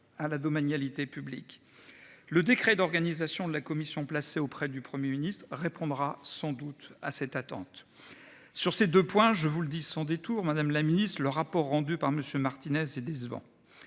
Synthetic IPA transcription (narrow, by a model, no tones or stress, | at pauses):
alad̪ɔmanjalit̪epyblḭk | ləd̪ekχɛd̪ɔʁɡanizasjɔ̃d̪əlakɔmisjɔ̃plaseopχɛd̪ypχəmjeminist̪χʁepɔ̃d̪ʁasɑ̃d̪ut̪asɛt̪at̪ɑ̰̃t̪ | syʁsed̪øpwɛ̃ʒəvuləd̪isɑ̃d̪et̪uʁmad̪amlaminist̪χləʁapɔʁːɑ̃d̪ypaʁməsjømaʁt̪inɛzed̪ɛzvɑ̰̃